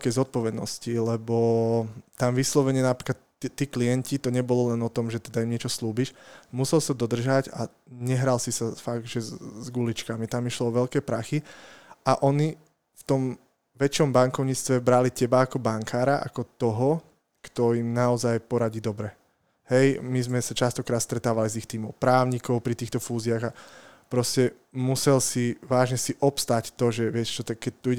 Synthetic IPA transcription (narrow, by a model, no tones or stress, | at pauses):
kɛjzɔt̪̚pɔʋɛd̪nɔ̰scilɛbɔ | t̪amʋislɔʋɛɲɪɛnapɾiklat̪ | t̪ːiːklijɛncit̪ɔɲɛbɔlɔlɛnɔt̪ɔmʒɛt̪ɛd̪aimɲɪɛt͡ʃɔsluːbiʃmusɛlsad̪ɔd̪r̩ʒaɟa | ɲɛɦɾalsisafaɡ̚d̪ʒɛzɡulit͡ʃkamit̪amiʃlɔɔʋɛlkɛpɾaxiaʔɔɲi | ft̪ɔm | ʋɛt͡ʃɔmbaŋkɔʊɲit͡st̪ʋɛbɾalicɛbaːkɔbaŋkʰaːɾaʔa̰kɔt̪ɔɦɔ | kt̪ɔimnaɔzajpɔɾaɟiːd̪ɔbɾɛ | hɛjmizmɛsat͡ʃast̪ɔkɾaːt̪st̪ɾɛt̪aːʋalizixt̪iːmɔʊpɾaːʊɲikɔʊpɾit̪iːxt̪ɔfuːziaɣa | pɾɔscɛ | musɛlsiʋaːʒɲɛsiʔɔpst̪act̪ɔʒɛʋɪɛcɛt͡ʃɔt̪akːɛc̚t̪uiɟ